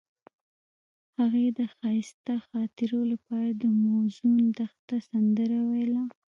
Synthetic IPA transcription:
haɣed̪əxɑjɪst̪axɑt̪ɪɾolapɑɾad̪əmozumnd̪axt̪asand̪əɾawajla

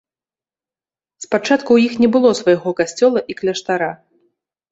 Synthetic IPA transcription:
spat͡ʂat̪kuwjixnʲɛbɨlˠɔsvajaɣɔkasʲt͡sʲɔlˠɐʔiklʲɐʂt̪aɾa

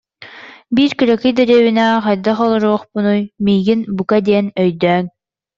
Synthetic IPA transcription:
biɾkɯɾɛkɯjd̪ɛɾiɛːβinɛχɑjd̪aχɔlˠɔɾuɔχpunujmijɡinbukad̪iɛnœjd̪œːŋ

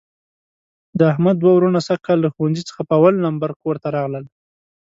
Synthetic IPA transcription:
d̪əahmad̪ːwawɾunasakɑlːaxuwand͡zit͡sə̥xapəawalnambaɾkoɾt̪aɾɑɣləl

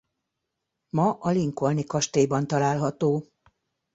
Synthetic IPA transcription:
mɒʔɒliŋko̞lnikɒʃt̪eːbɒnt̪ɒlaːlɦɒt̪oː

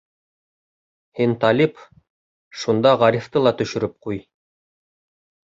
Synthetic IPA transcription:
hint̪ɑlʲip | ʃund̪ɑʁɑɾʲift̪ɤlˠɑt̪ɵ̆ʃɵ̆ɾɘp̚quj

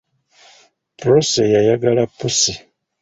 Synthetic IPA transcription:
pɾosejajaɡalapːusi

